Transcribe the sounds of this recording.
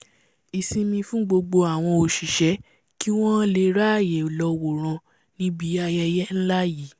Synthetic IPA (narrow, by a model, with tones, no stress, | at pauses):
i˨sĩ˧mĩ˧fũ˦ɡ͡bo˧ɡ͡bo˧a˨w̃ɔ̃˧o˨ʃi˨ʃɛ˨˦ | ki˦w̃ɔ̃˦le˧ɾa˦˨je˨lɔ˧wo˨ɾ̃ã˧ | nĩ˦bi˨˦a˧jɛ˧jɛ˦n̩˦la˦ji˨˦